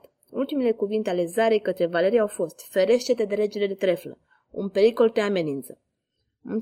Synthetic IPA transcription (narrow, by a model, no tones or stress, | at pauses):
ult̪imele̞kuvint̪eale̞zaɾejkət̪ɾe̞vale̞ɾiaawfo̞st̪feɾe̞ʃt̪et̪ed̪eɾe̞d͡ʒeled̪et̪ɾe̞flə̰ | ṵnpe̞ɾiko̞lt̪eame̞nint̪sə | ɨ